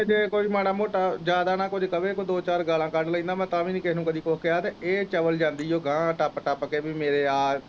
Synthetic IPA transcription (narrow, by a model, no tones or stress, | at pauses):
d͡ʒeːkoːiːmaːɽaːmoːʈad͡ʒjaːd̪aːnãːkoːd͡ʒikəʋeːkod̪oːt͡ʃaːɾɡaːlãːkəɖləĩːd̪aːmɛ̃ːt̪ãːʋĩːnĩːkɪɦnũːkəd̪iːkoːkeaːt̪eːeːt͡ʃəʋəld͡ʒãːnd̪iːoːɡãːʈəpʈəpkeːbiːmeːɾeːaː